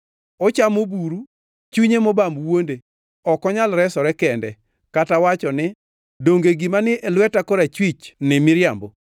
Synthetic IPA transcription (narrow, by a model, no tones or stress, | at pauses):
ɔt͡ʃamobuɾu | t͡ʃuɲemɔbamwonde | ɔkɔɲalɾɛsɔɾɛkɛndɛ | katawat͡ʃɔnɪ | doŋɡeɡɪmanɪʔelwɛtakɔɾat͡ʃwit͡ʃnɪmɪɾjambo